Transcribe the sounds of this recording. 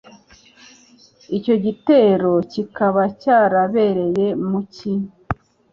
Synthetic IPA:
ico̞ɟite̞ɾo̞cikaβacaːɾaβe̞ɾe̞je̞muciɲ

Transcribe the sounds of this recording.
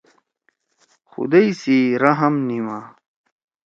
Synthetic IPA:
xṵd̪ɐjsiɾɐɦɐmnimaː

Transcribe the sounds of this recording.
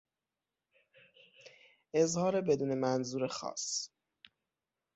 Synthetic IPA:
ʔe̞zhɒːɾebe̞d̪uːne̞mænzuːɾexɒ̰ːs

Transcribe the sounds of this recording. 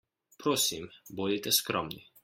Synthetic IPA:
pɾoːsimbod̪it̪ɛskɾɔmni

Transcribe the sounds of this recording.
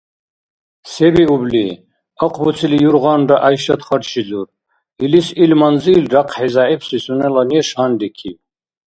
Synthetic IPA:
sɛbiubli | ɔqʰʼbut͡sʰilijuɾʁanɾaʔajʃat̪χaɾʃizuɾ | ilisilmanzilɾaqʰħɛzaipsisunɛlaniɛʃand̪ikʰḭ

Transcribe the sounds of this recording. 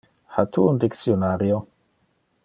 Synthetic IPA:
ħat̪ʰuːnd̪iksjonaɾjo

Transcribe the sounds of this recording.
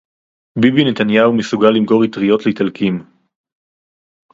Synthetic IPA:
bibinet̪anjaumesuɡalːimko̞ʁit̪ʁijo̞t̪leitalkim

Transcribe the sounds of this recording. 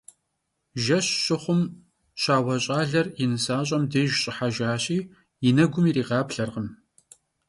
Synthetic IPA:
ʒɐɕɕʼɪχʷʊm | ɕaːwɐɕʼaːɮɐrinɨsaːɕʼɐmdeːʒɕʼɪħaʒaːɕʼiː | jɪnɐɡʷʊmiːɾiːʁɑːpɬɐrʁəm

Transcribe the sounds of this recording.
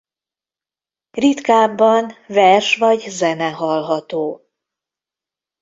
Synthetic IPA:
rit̪kaːbːɒnvɛrʃʋɒɟzɛnɛɦɒlɦɒt̪oː

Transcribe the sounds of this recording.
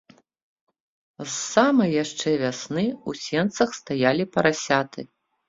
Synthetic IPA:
sːamɐjjaʂt͡ʂɛvʲasnɨusʲɛnt̪sɐxst̪ajalʲipɐɾasʲat̪ɨ

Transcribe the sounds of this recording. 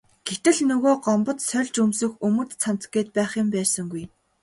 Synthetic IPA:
ɡ̥et̪ɘ̆ɮnɵɣoːɢɔmpɞ̆t̪sœɮʲt͡ɕɵmsɵ̆xɵmɵ̆t̪t͡sʰan̥t͡sɡeːt̪̚pæːχĭmpæːsə̆ŋɡuj

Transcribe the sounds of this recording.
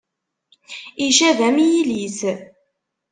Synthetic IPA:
iʃæðæmijiliθ

